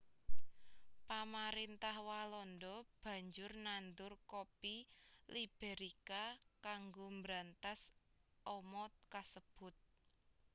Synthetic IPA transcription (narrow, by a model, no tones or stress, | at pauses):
pamaɾint̪ahwalɔndɔb̥ä̤ɲd͡ʒʊrnand̪ʊrkopilib̥eɾikakaŋɡombɾant̪as | ɔmɔt̪̚kasəb̥ʊ̤t̪̚